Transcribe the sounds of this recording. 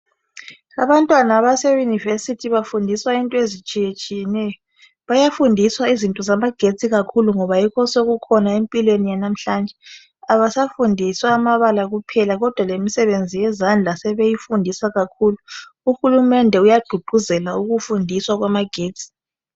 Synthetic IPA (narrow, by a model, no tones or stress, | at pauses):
aβantʼwanaβasejunivesitʰiβafundʱiswaintʼɔezit͡ʃʼijet͡ʃʼijɛnɛjɔ | βajafundʱiswaizintʼɔzamaɡ̥ʱet͡sʼiɣakʰuluŋɔβajikʰɔsoɣukʰɔnaempʼilwenijanam̩ɬand͡ʒʱɛ | aβasafundʱiswaːmaβalaɣupʰɛlaɣɔd̥ʱwalemisɛβend͡zʱijɛzand͡ɮʱasɛβejifundʱiswaɣakʰuːluuxulumɛndʱɛujad̥ʱuɡ͡ǃ̥ʱuzɛlauɣufundʱiswaɣwamaɡ̥ʱeːt͡sʼi̥